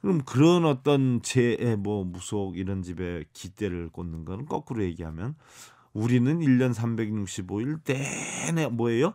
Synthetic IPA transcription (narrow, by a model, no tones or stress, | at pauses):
kɯɾʌmkɯɾʌnʌt͈ʌnt͡ɕeʔːmwʌmusʰoɡiɾʌnd͡ʑibe̞kit͈e̞ɾɯɭk͈onːɯnɡʌnɯnk͈ʌk͈ɯɾoje̞ɡiɦa̰mjʌn | uɾinɯniʎːʌnsʰambe̞ɡɲuk̚ɕ͈iboiɭt͈enemwʌejo